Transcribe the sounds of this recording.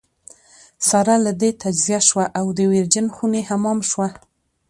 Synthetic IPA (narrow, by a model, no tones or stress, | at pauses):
saɾalad̪et̪ad͡ʒzijaʃwaʔawd̪əweɾd͡ʒənxunehamɑmʃwa